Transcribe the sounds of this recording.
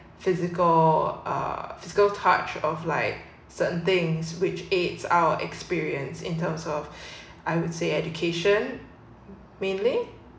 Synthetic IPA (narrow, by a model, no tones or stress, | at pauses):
fɪzɪkəlʔʌ̰fɪzɪkəltʰat͡ʃɔflaɪk̚ | səʔn̩θɪ̃ŋswɪt͡ʃetsa̰ʊəʔɛ̰kspiɹiə̃nsɪ̰̃ntʰə̃msɔf | ʔaɪwʊd̥seɛd͡ʒukʰeʃə̃n | mẽnli